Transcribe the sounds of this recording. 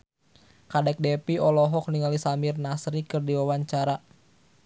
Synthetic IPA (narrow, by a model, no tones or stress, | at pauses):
kadɛk̚dɛpiɔlɔɦɔk̚niŋalisamirnasɾikɨrdiwawaɲt͡ʃaɾa